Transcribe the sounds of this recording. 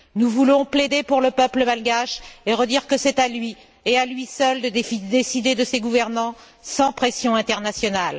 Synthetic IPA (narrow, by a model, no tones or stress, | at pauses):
nuvulɔ̃pled̪epuʁləpœpləmalɡaʃeʁəd̪iʁkəsɛt̪alɥi | ealɥisœld̪əd̪efid̪esid̪ed̪əseɡuvɛʁnɑ̃ | sɑ̃pχesjɔ̃ɛ̃t̪ɛʁnasjɔnal